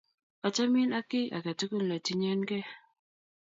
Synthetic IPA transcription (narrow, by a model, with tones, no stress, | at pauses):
a˨t͡ʃa˦mi˦na˦kɪ˦ʔa̰˨ka˨tu˦ku˦˨n̩˨la˨ti˦ɲɛ˦nkɛ˦